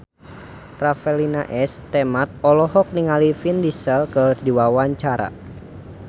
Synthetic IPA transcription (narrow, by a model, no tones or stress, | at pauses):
rafɛlinaʔɛst̪ɛmat̪̚ɔlɔɦɔk̚niŋalifindisəlkədiwawaɲt͡ʃaɾa̰